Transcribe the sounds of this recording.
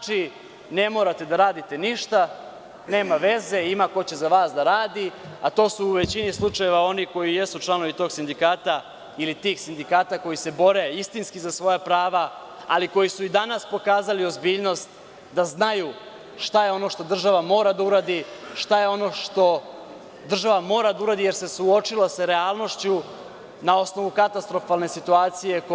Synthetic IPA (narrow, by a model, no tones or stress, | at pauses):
t͡ʃi | ne̞mo̞ːɾat̪e̞d̪aɾaːd̪it̪e̞niʃt̪a | ne̞ːmaʋe̞ze̞imako̞t͡ɕe̞zaʋaːsd̪aɾaːd̪i | at̪o̞ːsuːʋe̞t͡ɕinislˠut͡ʂajeʋao̞niko̞jije̞sut͡ʃlˠano̞ʋit̪o̞ːɡsind̪ikaːt̪a | ilit̪iːxsind̪ikaːt̪ako̞jise̞bo̞ɾeist̪inskizasʋo̞japɾaːʋaː | liko̞jisuid̪anaspo̞kaːzalio̞zbiːʎno̞st̪ | d̪aznaju | ʃt̪ajeo̞no̞ʃt̪o̞d̪r̩ʒaʋamo̞ːɾad̪auɾaːd̪iʃt̪aje̞o̞no̞ʃt̪o̞ | d̪r̩ʒaʋamo̞ːɾad̪auɾaːd̪ije̞ɾse̞suo̞t͡ʃiloseɾe̞aːlˠno̞ʃt͡ɕu | nao̞sno̞ʋukat̪ast̪ɾo̞falne̞sit̪uaːt̪sije̞k